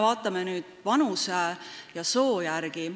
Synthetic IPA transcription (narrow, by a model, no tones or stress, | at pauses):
vɑːt̪ːˑɑmenyːd̪̥vɑnusejɑso̞ːjærɡ̥i